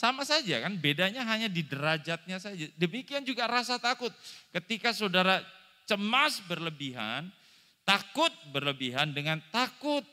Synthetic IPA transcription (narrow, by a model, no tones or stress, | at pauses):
samasad͡ʒa̰kanbedaɲaɦaɲadidəɾad͡ʒat̪̚ɲasad͡ʒadəmikiand͡ʒuɡaɾasat̪akʊt̪̚kət̪ikasadaɾa | t͡ʃəmasbərləbiɦa̰n | t̪akʊt̪̚bərləbiɦandəŋant̪akʊt̪̚